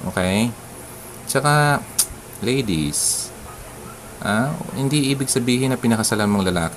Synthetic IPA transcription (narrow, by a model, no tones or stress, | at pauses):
ʔo̰ːkɛj | t͡ʃɐka | lejd̪ɪ̰s | ʔa̰hɪnd̪iʔiːbɪɡ̚sɐbiːhɪnɐpɪnɐkɐsɐlanmoŋlɐlaːk